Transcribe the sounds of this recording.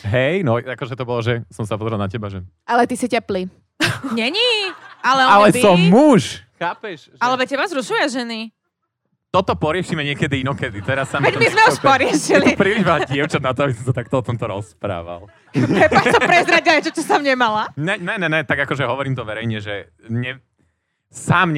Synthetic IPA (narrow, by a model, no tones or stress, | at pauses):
ɦɛjnɔakɔʒɛt̪ɔbɔlɔʒɛsɔmsapɔzɾɛlnacɛbaʒɛ | ʔalɛt̪isicɛpli | ɲɛɲialɛalɛsɔmːuʃxaːpɛʃ | alɛʋɛcɛbazɾuʃujaʒɛni | t̪ɔt̪ɔpɔɾɪɛʃimɛɲɪɛkɛd̪iinɔkɛd̪it̪ɛɾasːamʋɛmizmɛuʃpɔɾɪɛʃiɛlit̪upɾiliʒʋaɟɪɛʊt͡ʃad̪nat̪ɔabisisat̪ak̚t̪ɔɔt̪ɔmt̪ɔɾɔspɾa̰ːʋa̰lˠ | ɛpat̪ɔpɾɛzɾaɟajt͡ʃɔt͡ʃɔsamɲɛmalaɲɛnɛnɛnɛt̪aɡakɔʒɛɦɔʋɔɾiːmt̪ɔʋɛɾɛjɲɛʒɛ | ɲɛ | saːmɲ